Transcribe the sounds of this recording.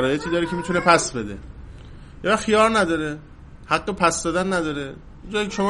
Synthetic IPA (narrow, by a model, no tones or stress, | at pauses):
ɾɒːjet̪ʰiːd̪ɒːɾecʰemit̪ʰune̞pʰæsbe̞d̪ḛ | jevæχxijɒːɾnæd̪ɒːɾe | hæɡːopʰæsd̪ɒːd̪ænːæd̪ɒːɾe | jd͡ʒɒːjikʰʲeʃo̞mɒ